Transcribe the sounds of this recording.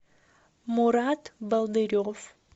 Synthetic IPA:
muɾɑt̪balˠd̪ɨɾʲof

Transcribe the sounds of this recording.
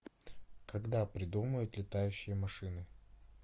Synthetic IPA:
kɐɡd̪apɾʲɪd̪uməjʊt̪lʲɪt̪ajʉɕːɪjəmɐʂɨnɨ

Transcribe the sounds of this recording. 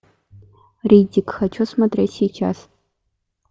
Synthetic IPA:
ridʲikxɐt͡ʃʰosmɐt̪rʲesʲiːjt͡ʃʰa̰s

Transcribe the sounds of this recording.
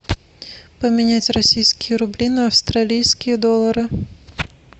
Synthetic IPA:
pəmʲɪnʲat͡sʲrɐsʲijskʲɪjəɾʊblʲinɐɐfst̪ralʲijskʲɪjəd̪olˠːɐɾɨ

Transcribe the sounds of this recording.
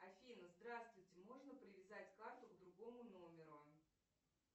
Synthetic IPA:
ɐfʲinəzd̪ɾast̪vʊjtʲɪmo̞ʐnəpɾʲɪvʲɪzatʲkart̪ʊɡd̪ɾʊɡo̞mʊno̞mʲɪɾʊ

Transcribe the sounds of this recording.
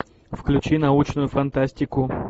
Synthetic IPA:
fklʲʉt͡ɕinɐut͡ɕnʊjʊfɐnt̪asʲtʲɪkʊ

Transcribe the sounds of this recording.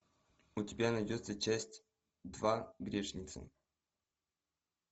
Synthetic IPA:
ʊtʲɪbʲanɐjdʲo̞t̪sət͡ɕæsʲtʲ | d̪vaɡɾʲeʂnʲɪt̪sə̰

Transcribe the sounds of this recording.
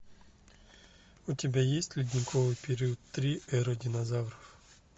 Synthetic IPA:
ʊtʲibʲɛjisʲtʲlʲidʲnʲikʰɔʋɪjpʲeɾʲiɔt̪ːɾʲiʔɛɾɔdʲinɐzawɾɔw

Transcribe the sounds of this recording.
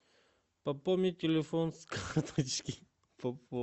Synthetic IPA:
pɐpomit̪ʲelefonskaxt̪ʰot͡ʃkʲi | pɐpo

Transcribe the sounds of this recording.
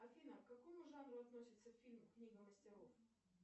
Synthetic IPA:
ɐfʲinəkkɐkomʊʐanɾʊɐt̪nosʲɪt̪səkfʲilʲmʊknʲiɡəməsʲtʲɪɾof

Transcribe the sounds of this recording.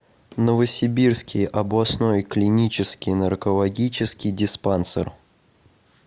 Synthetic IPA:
nəvəsʲɪbʲirskʲɪjɐblˠɐsnojklʲɪnʲit͡ɕɪskʲɪjnərkəlˠɐɡʲit͡ɕɪskʲɪjdʲɪspansə̰r

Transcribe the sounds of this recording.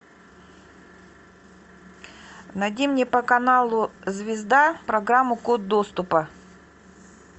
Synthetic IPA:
nɐdʲimnʲepɐkɐnalˠʊzvʲɪzd̪apɾɐɡɾamːʊkud̪̚d̪ost̪ʊpɐ

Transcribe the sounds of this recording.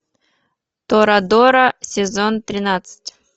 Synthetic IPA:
t̪oɾad̪oɾəsʲɪzont̪ɾʲɪnat̪sɨ̥tʲ

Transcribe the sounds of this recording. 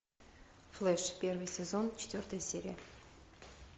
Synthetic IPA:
flˠɛʂpʲervɨjsʲezont͡ɕʰɪ̥t̪ʲvʲort̪əjəsʲeɾʲḭjə

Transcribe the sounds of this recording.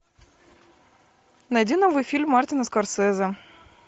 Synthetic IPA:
nɐjdʲinovɨjfʲilʲmːart̪ʲɪnəskɐrsɛzə

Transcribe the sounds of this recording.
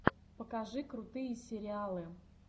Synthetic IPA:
pəkɐʐɨkɾʊt̪ɨjəsʲɪɾʲɪalˠɨ

